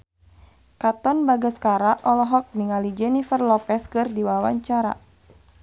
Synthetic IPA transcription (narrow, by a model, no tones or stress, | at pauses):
kat̪ɔnbaɡaskaɾaʔɔlɔɦɔk̚niŋalid͡ʒɛnifərlɔpɛskɨrdiwawa̰ɲt͡ʃaɾa̰